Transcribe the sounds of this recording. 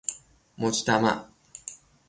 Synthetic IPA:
mot͡ɕi̥t̪ama̰

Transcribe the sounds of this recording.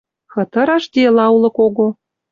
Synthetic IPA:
xɤ̆t̪ɤ̆ɾɑʃd̪ʲelɑulˠɤ̆koɣo

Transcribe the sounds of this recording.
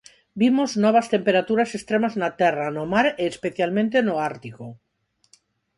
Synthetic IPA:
bimoznɔβ̞ast̪empeɾat̪uɾasest̪ɾemaznat̪ɛranomaɾeːspeθjalmẽnt̪enoaɾt̪iko

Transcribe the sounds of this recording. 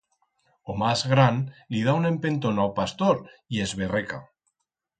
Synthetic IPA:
omazɣɾanlið̞aune̞mpe̞nt̪onawpast̪oɾiezβereka̰

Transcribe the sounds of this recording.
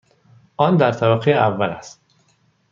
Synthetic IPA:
ʔɒnd̪æɾt̪ʰæbæɣejeævːælæst̪

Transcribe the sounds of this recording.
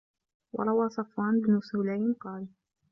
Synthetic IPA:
wɑ̰ɾˤɑwaːsˤɑfwaːnbnʊsʊːlaːjɪnqɑːl

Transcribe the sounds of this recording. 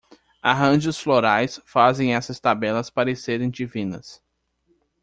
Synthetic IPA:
aɦɐ̃ʒʊsfloɾajsfazẽj̃ɛsɐst̪abɛlɐspaɾɪseɾẽj̃d͡ʒivĩnɐ̰s

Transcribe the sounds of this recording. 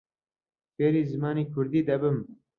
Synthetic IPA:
feːɾiːzɨmɑːniːkʰʊɾd̪iːd̪ɐbɨm

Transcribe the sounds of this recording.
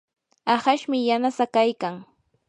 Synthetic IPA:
ɑhaʃmɪjanasakajkaŋ

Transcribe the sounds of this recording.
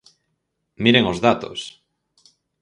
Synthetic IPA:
miɾeŋozðat̪o̰s

